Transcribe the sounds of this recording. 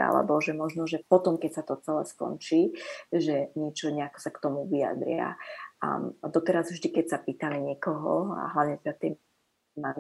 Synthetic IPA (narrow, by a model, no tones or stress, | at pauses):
a̰lɛ̰bɔʒɛmɔʒnɔʒɛpɔt̪ɔmkɛcsat̪ɔt͡sɛlɛ̰ːskɔ̰nt͡ʃiːʒɛɲɪɛt͡ʃɔɲɛakɔ̥sakt̪ɔmuʋia̰d̪ɾɪa̰a̰d̪ɔt̪ɛɾazvʒd̪ikɛcsapiːt̪aliɲɪɛkɔɦɔ̰a̰ɦlaʊɲɛt̪ɛd̪at̪ɛ | a